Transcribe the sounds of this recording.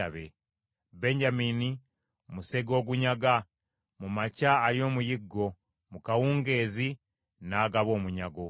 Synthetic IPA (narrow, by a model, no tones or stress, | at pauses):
aβḛ | be̞ɲɟamini | museɡo̞ːɡuɲaɡa | mumacaːlio̞ːmujiɡːo̞ | mukawuːŋɡe̞ːzi | naːɡaβo̞ːmuɲaɡo̞